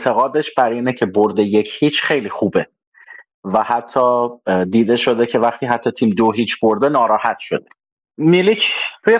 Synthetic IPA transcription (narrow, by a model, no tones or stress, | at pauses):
et̪ʰe̞ɣɒːd̪eʃb̥æɾiːnecʰeboɾd̪e̞je̞cʰhiːt͡ʃʰχe̞jliːxuːbe | væhæt̪ʰːɒːd̪iːd̪eʃo̞d̪e̞cʰe̞væχt̪ʰiːɦæt̪ʰːɒːt̪ʰiːmd̪oɦit͡ʃʰboɾd̪e̞nɒːɾɒːhæt̪ʃo̞̰d̪e | milicʰɾuːje